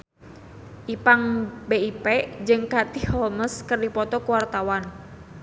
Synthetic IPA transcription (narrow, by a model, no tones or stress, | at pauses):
ʔipaŋbeipɛʔd͡ʒɨŋkat̪ihɔlməskərdipɔt̪ɔkuwart̪awan